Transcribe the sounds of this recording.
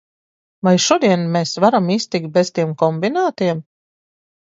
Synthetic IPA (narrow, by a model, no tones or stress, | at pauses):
vajʃuɔd̪iɛnmeːsvaɾamiːst̪ik̚t̪̚bez̥t̪iɛmkɔmbinaːt̪iɛm